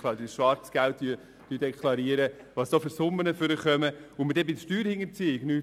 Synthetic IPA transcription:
klab̚ədisʃʋɑɾt͡sɡ̥ælt̚dyə | tyːdɛkʰlˠɑɾiəɾə | ʋɑsd̥ofʏɾsʊmːənəføɾəχœməʊmədɛbɪsʃtyːɾhɪŋəɾt͡siɪɡnyː

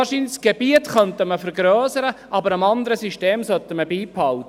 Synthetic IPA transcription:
ʃiːnsɡ̥ebiətχœntəməfəɾɡɾøːsəɾəʔɑbəɾəmɑnd̪əɾəsyʃteːmsœtːəməbiːphɑlt

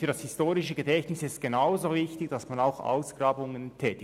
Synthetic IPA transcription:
fyːɐdashɪstoːɾɪʃəɡədɛçtnɪsɪst̚ɡ̥enaʊzoːvɪçtɪçd̥asmanaʊxa̰ʊsɡ̥raːbʊŋəntʰɛːtɪ

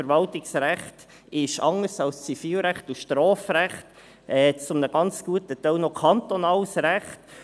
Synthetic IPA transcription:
əɾʋɑltɪksɾæχt | ɪʃɑŋəɾsɑlst͡sifiːlɾæχtuʃtɾɔːfɾæχt | ɛːt͡sʊmnəɡ̥ɑnt͡sɡ̥uətət̪œlnɔkʰɑnt̪ɔnɑːlsɾæχt

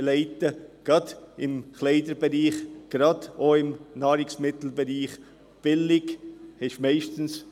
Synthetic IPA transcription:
lɛɪtəɡ̥ɾɑd̪̥ɪmklɛɪd̪əɾbɛɾiːχɡ̥ɾɑdoɪmnɑːɾɪksmɪt̪l̩bɛɾiːχ | b̥ɪlɪɡhɛʃmɛɪʃtn̩s

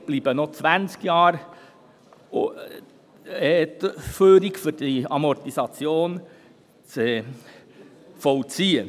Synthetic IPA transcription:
b̥liːbənot͡sʋænskjɑːɾ | ɛt̪føːɾɪɡfyɾdiɑmɔɾt̪isɑt͡sjoːn | t͡se | fɔʊt͡siːən

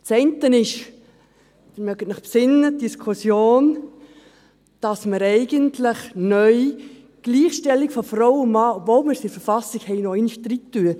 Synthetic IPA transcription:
t͡sɛɪntənɪʃ | d̥̪ɪɾmœɡətnəχpsɪnːət̚diskʰusjoːn | d̥ɑsməɾɛɪɡəntləχnœj | ɡ̥liːχʃtɛlːikfɔfɾɔwʊmɑːɔbvoːlməɾsifəɾfɑsiɡhɛɪnɔɪnʃtɾitːyə

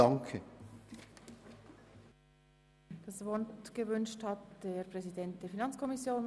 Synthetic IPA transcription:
ɑŋkʰə | d̥ɑsvɔntɡ̥əvʏnʃthɑtd̥eːɾpʁ̥ɛzidɛnt̚d̥eːfinɑnt͡skʰɔmisjoːn

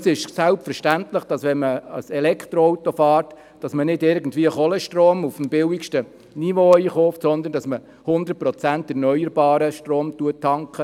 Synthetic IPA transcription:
sɪʃsælpfəɾʃtænt̪ləχd̥ɑsʋɛnməəsɛlɛkχt̪ɾɔɔwt̪ɔfɑːɾt | d̥ɑsmənɪdɪɾɡən̩dʋiːəχɔlɛʃtroːmufmbɪwikʃtə | niʋoːiːχɔːftsɔnd̪əndɑsmə | hʊnd̪ərt̚pɾɔt͡sæntɛɾnœjəɾbɑːɾəʃtɾoːmt̪uətʰːɑŋkχə

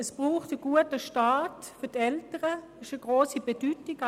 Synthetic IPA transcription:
ɛsb̥ʁuːχtəɡ̥uətəʃtaːt | fʏɐtɛltəʁə | ɪʃəɡ̥ʁoːsibedyːtɪɡ

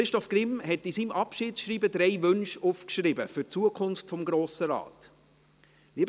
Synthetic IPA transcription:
ɾɪʃtɔfɡ̥ɾɪmhɛtisimʔɑpʃiːtʃɾiːbəd̪ɾɛɪʋʏnʃufkʃɾɪbəfʏrt͡suəkʰʊnftfɔmɡɾoːsəɾɑ̰ːt̪ | liəb

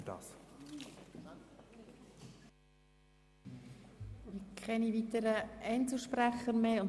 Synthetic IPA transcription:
ɑ̰ːs | ɪkʰχɛnivit̪əɾəʔɛɪnt͡sl̩ˠʃpræχəɾmeːʊn

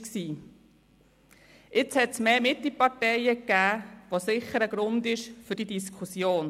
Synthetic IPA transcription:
ksiː | ʔɪt͡shɛt̪smeːmɪt̪lipɑɾtɛɪəkːæːʋosɪχːəɾəɡ̥ɾʊnd̪ɪʃfʏɾd̥idiskʰusjoːn

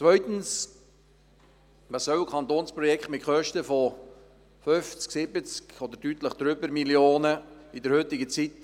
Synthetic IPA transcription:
t͡svœʏt̪n̩s | mɑsœwkʰχɑnt̪oːnspɾɔjɛkχtmɪtχœʃtəfɔ | føft͡sksɪbət͡skɔd̪əɾtyt̪ləχd̪ɾʏbəɾmiljoːnəɪd̪əɾhʏt̪ɪɡət͡sit

